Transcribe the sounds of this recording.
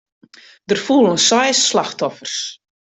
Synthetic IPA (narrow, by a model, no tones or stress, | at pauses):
dərfulˠənsɔjsːlaxtɔfərs